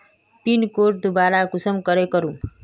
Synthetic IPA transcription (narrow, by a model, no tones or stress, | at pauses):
pinkoʈ̚d̪ubaɾakusəmkʌɾekʌɾũ